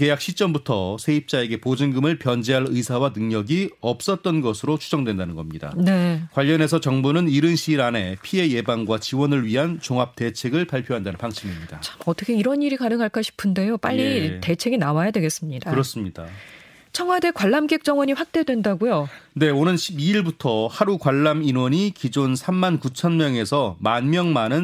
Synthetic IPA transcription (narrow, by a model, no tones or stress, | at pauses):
ke̞jak̚ɕʰit͡ɕ͈ʌmbutʰʌsʰe̞ip̚t͡ɕ͈ae̞ɡe̞pod͡ʑɯŋɡɯmɯɭpjʌnd͡ʑeɦaɭɯisʰawanɯŋɲʌɡiʌp̚s͈ʌt̚t͈ʌnɡʌsʰɯɾot͡ɕʰud͡ʑʌŋdwendanɯnɡʌmɲida̰ne̞kwaʎːʌne̞s̬ʰʌt͡ɕʌŋbunɯniɾɯnɕʰiːɾane̞pʰie̞je̞baŋɡwat͡ɕiwʌnɯɭɥiɦant͡ɕoŋɦap̚t͈et͡ɕʰe̞ɡɯɭpaɭpʰjoɦandanɯnpaŋɕʰimimɲidat͡ɕʰamʌt͈ʌkʰe̞iɾʌniɾikanɯŋɦaɭk͈ʰaɕʰi̥pʰɯnde̞jop͈a̰ʎːite̞t͡ɕʰe̞ɡinawajadwe̞ɡe̞s͈ɯmɲidakɯɾʌs͈ɯmɲida̰ | t͡ɕʰʌŋɦwade̞kwaɭːamk͈ek̚t͡ɕ͈ʌŋwʌɲiɸwak̚t͈edwe̞ndaɡujone̞onɯnɕʰibiiɭbutʰʌhaɾukwaɭːaminwʌɲikid͡ʑonsʰamːankut͡ɕʰʌnmjʌŋe̞sʰʌmanmjʌŋmanɯn